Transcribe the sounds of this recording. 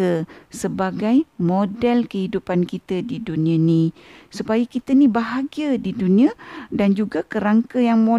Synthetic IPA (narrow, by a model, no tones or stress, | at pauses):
əsəbaɡajmodɛlkəɦidupankit̪ədidunĩãnisupajakit̪ənibaɦaɡiədidunĩadand͡ʒuɡakəɾaŋkəjaŋmo